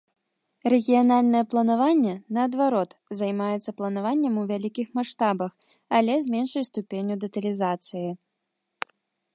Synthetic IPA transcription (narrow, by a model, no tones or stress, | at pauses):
rɛɣʲijanalʲnɐjɛplˠɐnavanʲːɛnɐːd̪vaɾɔt̪zɐjmajɛt̪sːɐplˠɐnavanʲːɛmuvʲalʲikʲixmaʂt̪abɐx | ɐlʲɛzʲmʲɛnʂɐjst̪upʲenʲːud̪ɐt̪ɐlʲizat̪sɨji